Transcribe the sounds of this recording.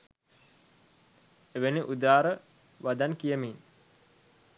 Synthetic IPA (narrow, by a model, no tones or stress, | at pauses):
eʋeniʔud̪aːɾə | ʋad̪ankijəmin